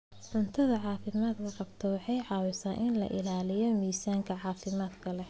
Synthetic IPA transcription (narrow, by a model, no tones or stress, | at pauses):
ʕʊnt̪ʰɐðɐʕɑːfɪmaːd̪kʰɐqɑbt̪ʰɐwɑħɑjʕɑːwɪsaːnʔɪnlɐ̰ʔɪlaːlɪjɔmiːsaːŋkʰɐʕɑːfɪmaːd̪kʰɐlɛ